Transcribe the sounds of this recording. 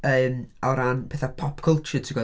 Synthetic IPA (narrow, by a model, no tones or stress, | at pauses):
əmɔɾanpʰɛːθapʰɔpkʰəlˠt͡ʃətʰiɡɔ